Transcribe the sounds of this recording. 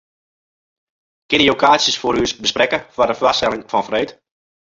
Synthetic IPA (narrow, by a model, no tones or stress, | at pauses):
kɪnəjokʰaːsjəsfoɾysbəsprɛkəfwɔrdəflasɛlɪŋfɔnfreːt